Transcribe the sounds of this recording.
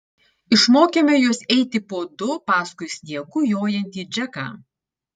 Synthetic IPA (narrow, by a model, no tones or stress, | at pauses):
ɪʃmoːkʲeːmʲɛjuɔsɛɪt̪ʲɪpoːd̪ʊpɑːskʊɪsʲnʲiɛkujoːjɛnʲt̪ʲiːd͡ʒʲɛkɑ̰ː